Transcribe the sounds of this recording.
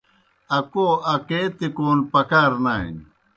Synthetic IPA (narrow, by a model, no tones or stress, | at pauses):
ɐkoɐket̪ikoːnpɐkaːɾnaːḭn